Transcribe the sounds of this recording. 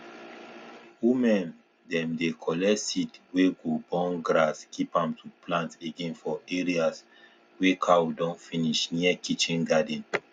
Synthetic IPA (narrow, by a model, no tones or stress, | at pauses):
wimɛ̃n | dɛ̃mdekʰɔlɛsitweɡobɔ̃nɡɹaskipãmtʰuplãnteɡẽnfɔeɹias | wekʰawdɔ̃nfĩniʃniəkit͡ʃĩnɡadɛ̃n